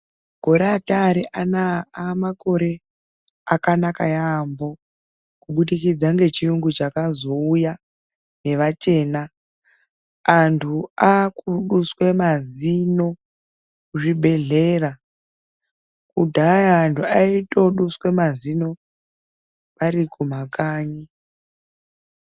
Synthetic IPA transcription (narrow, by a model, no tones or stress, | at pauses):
ɡʱo̞ɾeataɾeʔanaamako̞ɾe̞ | akanakajaambo̞ | kuɓuɗikid͡zaŋɡe̞t͡ʃiuŋɡut͡ʃakazo̞uja | ne̞ʋat͡ʃe̞ːna | ntʰuakuɗuswe̞mazino̞ | kuʐibʱe̞ɮe̞ːra | kudʱajaːntʰuaito̞ɗuswe̞mazino̞ | ʋaɾikum̤akaːɲi